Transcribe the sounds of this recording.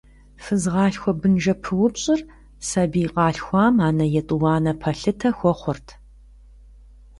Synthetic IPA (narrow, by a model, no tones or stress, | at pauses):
fɨzʁɑːɬxʷɔbɨnʒɐpʰɨwʊpɕʼɪr | sɐbiːqʼɑːɬxʷɑːmaːnɐjɛtʼʊwɑːnɐpʰɐɬɨtʰɐxʷɔχʷʊrtʰ